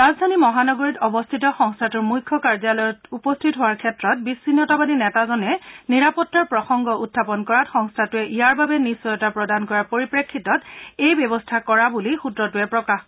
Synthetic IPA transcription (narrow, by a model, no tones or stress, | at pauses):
ɹazdʱanimɔɦanɔɡoɹitɔbɔstʰitɔxɔŋstʰatʊɹmujkʰːɔkaɹzalɔjɔtupɔstʰitɦoaɹkʰɛtɹɔt̚bisːinjɔtabadinɛtazɔnɛniɹapɔtːaɹpɹɔxɔŋɡɔutʰːapɔnkɔɹatxɔŋstʰatuɛʔijaɹbabɛnisːɔjɔtapɹɔdankɔɹaɹpoɹipɹekʰːitɔtejbjɛβɔstʰakɔɹabulixudɹɔtuɛpɹɔkax